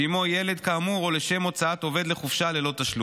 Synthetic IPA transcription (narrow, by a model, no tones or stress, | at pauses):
imo̞jele̞d̪kaːmuʁo̞leʃe̞mo̞t͡saat̪o̞ve̞d̪le̞χufʃale̞lo̞t̪aʃlu